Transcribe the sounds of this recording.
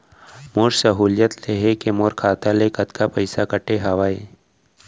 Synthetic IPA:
moːɾsəɦuːljət̪leɦekemoːɾkʰaːt̪alekɐt̪kʰapəjsakəʈeɦɐʋaːe

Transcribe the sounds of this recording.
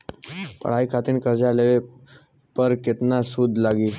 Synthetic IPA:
pə̰ɽ̤ajkʰat̪iːnkəɾd͡ʑaleʋe | pəɾket̪nasuːd̪ʱlaɡiː

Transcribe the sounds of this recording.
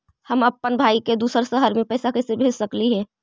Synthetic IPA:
hɐmɐpːənbʱaːiked̪uːsəɾsəɦəɾmẽpɛːsakɛːsebʱeːd͡ʒsɐkliɦɛː

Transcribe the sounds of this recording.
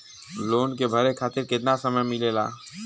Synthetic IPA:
loːnkebʱɐɾekʰaːt̪ɪɾkɪt̪nasəməjmɪlelaː

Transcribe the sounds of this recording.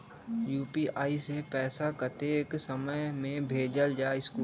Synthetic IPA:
juːpiʔaːisepɛːsakət̪eːksəməmẽbʱeːd͡ʒəld͡ʒaːɪskuː

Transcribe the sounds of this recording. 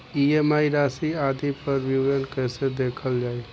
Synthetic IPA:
ieːmaːiɾaːsiaːd̪ipəɾʋjuʋd͡ʒənkɛːsed̪eːkʰəld͡ʒaːe

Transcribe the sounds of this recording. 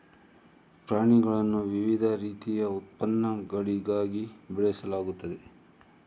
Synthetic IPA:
pɾaːɳiɡɐɭɐnːuʋiʋid̪ʱɐɾiːt̪ijɐut̪̚pɐnːɐɡɐɭiɡaːɡibɛɭɛsɐlaːɡut̪ːɐd̪e

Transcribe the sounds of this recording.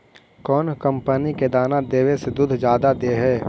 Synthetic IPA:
kɔːnkə̃mpəniked̪aːnad̪eːwesed̪ʊd̪ʱd͡ʒjaːd̪ad̪eːɦɛː

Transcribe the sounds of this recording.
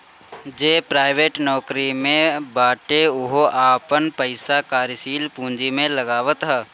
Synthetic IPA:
d͡ʒeːpɾaːɪʋeːʈnɔːkɾimẽbaːʈeʊɦoʔaːpənpəɪsakaːɾsiːlpũːɲd͡ʒimẽlɐɡaːʋət̪ɦɛː

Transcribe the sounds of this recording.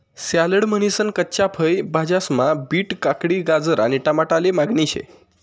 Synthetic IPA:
saləɽməñisənkətːt͡ɕapʰəjbʱad͡ʑasmabiːʈkakɽiːɡad͡zəɾaɽ̃iʈamaʈalemaɡɳiɕḛ

